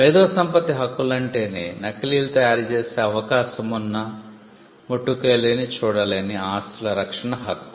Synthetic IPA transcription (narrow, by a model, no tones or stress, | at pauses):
ʋeːd̪ɔːsɐmpɐt̪iɦɐkːulɐɳʈe̞ːneːnɐkːɐliːlut̪ɐjaːɾt͡ʃeːseːɐʋɐkaːʃɐmunːɐ | moʈːukeːlenit͡ʃuːɽɐleniaːst̪ulɐɾɐkʂɐɳɐɦɐkːu̥